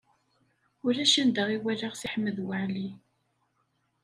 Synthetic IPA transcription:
ʊɾæʃænd̪aʁiwælaʁsiħəmːəðwəʕli

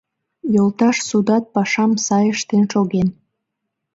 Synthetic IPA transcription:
jolt̪ɑʃsud̪ɑt̪̚pɑʃɑmsɑjəʃt̪enʃoɣen

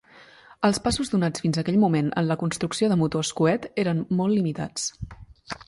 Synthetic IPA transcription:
əlˠspasuzðunat͡sfinzəkɛʎmumenə̰nləkunst̪ɾuksioðəmut̪oəskuɛt̪eɾənmolˠːimit̪a̰t͡s

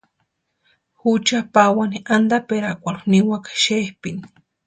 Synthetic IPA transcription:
xut͡ʃapawaniʔand̪apeɾakʷaluniwakḁʃehpini̥

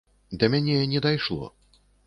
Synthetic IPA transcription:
d̪ɐmʲanʲenʲɛd̪ajʂlˠɔ̰

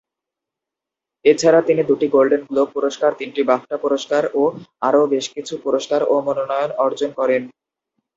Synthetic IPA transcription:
et͡ɕʰaɾat̪inid̪uʈiɡolɖenklopuɾoʃkaɾt̪inʈibafʈapuɾoʃkaɾoaɾobeʃkit͡ɕʰupuɾoʃkaɾomononɔjonɔɾd͡ʑonkɔɾen

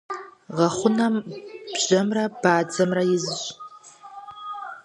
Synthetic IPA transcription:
ʁɐχʷʊnɐmb̥ʑɐmrɐb̥aːd͡zɐmrɐjɪzɨɕ

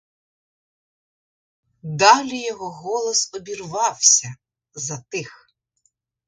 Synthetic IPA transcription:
d̪ɑlʲijɔɦɔɣɔlˠɔsɔbʲirʋɑwsʲɐ | zɐt̪ɪx

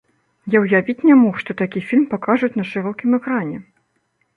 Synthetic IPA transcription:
jawjavʲit͡sʲnʲɛmɔxʂt̪ɔt̪akʲifʲilʲmpakaʐut͡sʲnɐʂɨɾɔkʲimɛkɾanʲɛ

